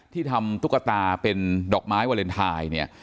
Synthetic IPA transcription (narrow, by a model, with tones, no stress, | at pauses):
t̪ʰiː˥˩t̪ʰa˧mt̪u˦˥kːa˧t̪aː˧pe˧ndɔː˨˩k̚maː˦˥jwaː˧le˧nt̪ʰaː˧jni˥˩ɐ